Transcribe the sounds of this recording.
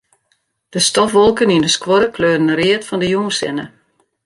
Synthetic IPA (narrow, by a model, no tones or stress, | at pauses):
d̥əstɔfʋɔlˠkənindəskwɔɾəkløːdənəɾɪətfɔndəjuːnsɪ̰nə